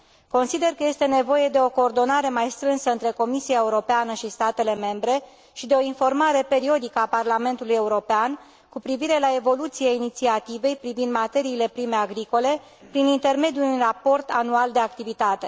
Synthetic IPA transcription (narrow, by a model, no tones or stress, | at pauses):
ko̞nsid̪e̞rkəje̞st̪e̞ne̞vo̞je̞d̪e̞o̞ko̞ːrd̪o̞naɾe̞majst̪ɾɨnsəɨnt̪ɾe̞ko̞misijae̞uɾo̞peanəʃist̪at̪e̞le̞me̞mbɾe̞ | ʃid̪e̞o̞info̞rmaɾe̞pe̞ɾio̞d̪ikəaparlame̞nt̪uluje̞uɾo̞pean | kupɾiviɾe̞lae̞vo̞lut̪siainit̪siat̪ive̞jpɾivind̪mat̪e̞ɾiːle̞pɾime̞aɡɾiko̞le̞ | pɾinint̪e̞rme̞d̪julinrapo̞rt̪a̰nuald̪e̞akt̪ivit̪at̪e̞